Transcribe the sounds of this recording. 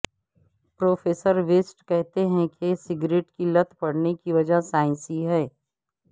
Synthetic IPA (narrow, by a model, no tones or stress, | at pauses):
pɾoːfeːsəɾʋeːsʈkɛɦt̪eɦɛ̃kesɪɡɾeːʈkilɐt̪ʰpɐɽnekiʋɐd͡ʒasaːɪ̃nsiɦɛː